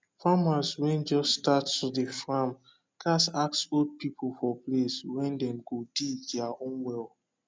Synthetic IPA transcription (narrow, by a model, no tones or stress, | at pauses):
famaswɛ̃nd͡ʒɔstːtatːudəfɹãm | kʰasaksold̚pipʰolfɔpleswɛ̃ndɛ̃mɡodidɛaõnwɛl